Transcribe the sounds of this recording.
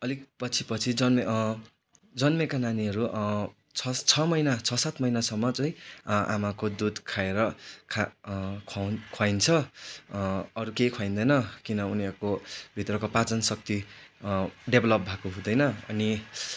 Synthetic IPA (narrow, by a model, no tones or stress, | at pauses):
ʌlikpʌt͡sʰipʌt͡sʰid͡zʌnme | d͡zʌnmekananiɦʌɾu | t͡sʰʌt͡sʰʌmʌjnat͡sʰʌsat̪mʌjnasʌmːʌt͡sʌĩʔa̰makod̪ud̪kʰaeɾʌkʰakʰakʰajnt͡sʰʌ | ʌɾukejkʰwajnd̪ʌjnʌkinʌuniʌɾkobʱit̪rʌkopat͡sʌnsʌk̚t̪i | ɖebʱlʌp̚bʱakoɦũd̪ʌjnʌʌ̰ni